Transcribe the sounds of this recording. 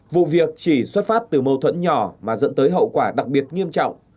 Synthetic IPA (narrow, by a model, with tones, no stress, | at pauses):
vṵ˧˨vi˨˩ək̚t͡ɕi˧˩swə˦˥t̚faː˦˥t̚t̪ɨ˨˩mə˧wt̪ʰwə̰˧˥nɲɔ˧˩maː˨˩zə̰˧˥nt̪əː˨˦jɦə̰˧˨wkwaː˧˩ɗa˨˩k̚ɓi˨˩ət̚ŋi˧əmt͡ɕɔ̰˧˨wŋ͡m